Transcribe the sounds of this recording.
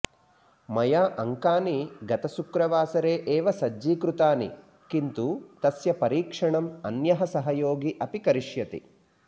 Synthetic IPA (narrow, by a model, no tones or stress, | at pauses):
mɐjaːʔɐŋkaːniɡɐt̪ɐsukɾɐʋaːsɐɾeːʔeːʋɐsɐd͡ʒːiːkɾut̪aːnḭ | kint̪ut̪ɐsjɐpɐɾiːkʂɐɳɐmɐ̰njɐɦɐsɐɦɐjoːɡiʔɐpikɐɾiʂjɐt̪ḭ